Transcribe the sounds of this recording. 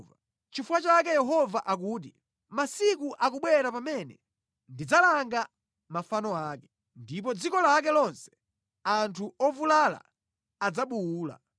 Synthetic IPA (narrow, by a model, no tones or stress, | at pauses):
va | t͡ʃifuwat͡ʃakɛjɛɦɔvaʔak̬uːt̬i | masikuʔakuɓwɛɾapamɛnɛ | ndid͡zalaŋɡa | mafanɔaːkɛ̥ | ndip̬ɔd͡zikɔlak̬ɛlɔnsɛ̥ | antʰuɔvulala̰ː | d͡zaɓuːla̰